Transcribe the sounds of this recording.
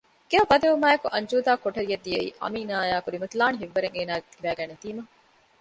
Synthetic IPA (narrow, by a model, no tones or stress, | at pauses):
ɡ̥eɦɐbɐd̪eumaːjekuʔɐɲd͡ʒuːd̪aːkoʈɐɾijɐd̪ːieḭːʔɐ̰miːnaːjaːkuɾimɐt̪ulaːniɦiʋːɐɾeŋeːnaːɡet̪ʰibæːɡæːnet̪iːmɐ